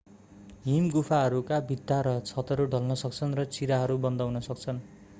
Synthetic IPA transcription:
ɦimɡupʰaɦʌɾukabʱit̪ːaɾʌt͡sʰʌt̪ʌɾuɖʱʌlnʌsʌk̚t͡sʰʌnrʌt͡siɾaɦʌɾubʌnd̪awnʌsʌkt͡sʰʌn

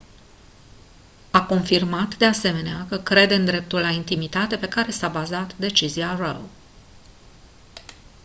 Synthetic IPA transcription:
ako̞nfirmat̪d̪e̞ase̞me̞neakəkɾe̞d̪eɨnd̪ɾe̞p̚t̪ulːaint̪imit̪at̪e̞pe̞kaɾe̞sabazat̪d̪e̞t͡ʃiziarəw

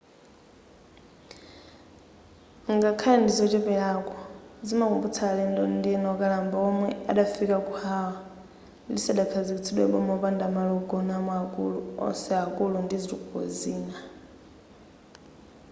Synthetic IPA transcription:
ŋɡakʰalandizɔt͡ʃɛpɛɺakɔzimakumbut͡sʰalɛndɔndiɛnɔkʼalambɔmwɛa̰ɗafikʼakuhawa | lisaɗakʰazikit͡sʰiɗwɛ̰ɓɔmɔpandamalɔɡɔnamaakʼṵluɔ̰sɛakʼulundiziɾikuɔ̰ziːna

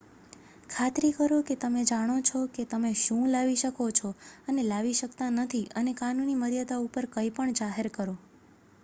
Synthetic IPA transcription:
kʰat̪ɾikəɾoket̪əmed͡ʒaɽ̃ot͡ʃʰoket̪əmeʃũlaʋiʃəkot͡ʃʰoənelaʋiʃəkt̪anət̪ʰiənekanuniməɾjad̪aupəɾkəipəɳd͡ʒaɦeɾkəɾo

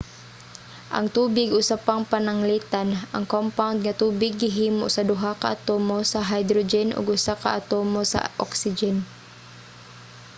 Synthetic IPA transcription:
ʔɐ̰ŋt̪uːbɪɡʊsapaŋpanaŋliːt̪anʔa̰ŋkompawnd̪̚ŋat̪uːbɪɡɪɦiːmo̰ʔsɐd̪ʊɦakaʔat̪oːmosaɦajd̪ɾod͡ʒɛnʔʊ̰ɡʊsaka̰ʔat̪oːmosa̰ʔɔ̰ksɪd͡ʒɛn

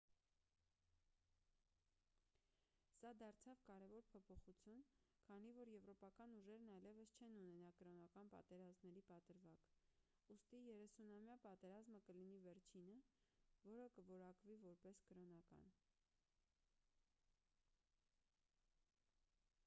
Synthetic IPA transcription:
sɑd̪ɑɾt͡sʰɑvkɑɾɛvɔɾpʰɔpʰɔχut͡sʰjunkʰɑnivɔɾjɛvɾɔpɑkɑnuʒɛɾnɑjlɛvəst͡ʃʰɛnunɛnɑkəɾɔnɑkɑnpɑ̰t̪ɛɾɑzmnɛɾipɑt̪əɾvɑk | ust̪ijɛɾɛsunɑmjɑpɑt̪ɛɾɑzməkəlinivɛɾt͡ʃʰinəvɔɾəkəvɔɾɑkvivɔɾpɛskəɾɔnɑkɑ̰n

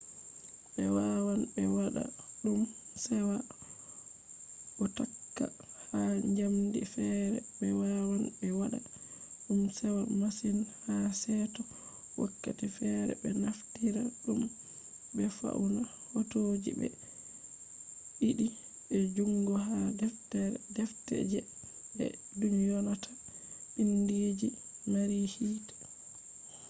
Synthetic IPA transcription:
ɓɛwawanbɛwaɗa̰ɗumsɛwa | ʔɔtakːa | haɲd͡ʒamdḭfɛɾɛ̰ɓɛwawanbɛwaɗa̰ | ɗumsɛwamasinhasɛtɔ | wakːa̰tifɛɾɛ̰bɛnaftiɾa̰ɗum | bɛfa̰unahotod͡ʒḭbɛ̰ | ɗiɗi | ɓɛd͡ʒuŋɡɔɦatdɛftɛ̰d͡ʒɛ | bɛ̰ | dumjɔnatʰḁ | ʔinded͡ʒimaɾihiːtḁ

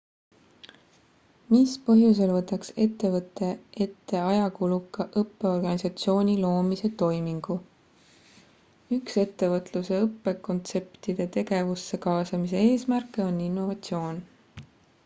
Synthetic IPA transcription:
mispɤɦjus̬e̞lvɤt̪ːˑɑkse̞t̪ːe̞vɤt̪ːˑe̞e̞t̪ːe̞ɑjɑkulukːˑɑʔɤpːe̞o̞rɡ̥ɑnʲisɑt̪sio̞ːnʲilo̞ːmise̞t̪o̞jmiŋɡ̥u | ykse̞t̪ːe̞vɤt̪ˑluse̞ɤpːe̞ko̞nt̪se̞pt̪id̪̥e̞t̪e̞ɡe̞vusːe̞kɑːsɑmis̬e̞eːsmærkːˑe̞o̞nːinːo̞vɑt̪sio̞ːn

